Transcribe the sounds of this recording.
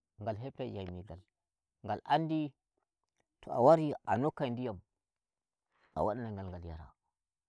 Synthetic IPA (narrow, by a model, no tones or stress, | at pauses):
ŋɡalɦep̚ta̰jajmiɡal | ŋɡalʔandi | tʰoa̰waɾianokːajndijam | a̰waɗanaŋɡalŋɡaljaɾa̰